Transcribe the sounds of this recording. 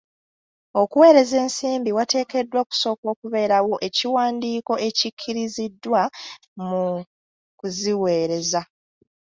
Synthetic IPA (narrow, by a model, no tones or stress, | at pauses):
o̞kuwe̞ːɾe̞ze̞ːnsiːmbiwate̞ːke̞dːwo̞ːku̥so̞ːko̞ːkuβe̞ːɾawo̞ʔe̞ciwaːndiːko̞ʔe̞cikʰːiɾizidːwa | mu | kuziwe̞ːɾe̞za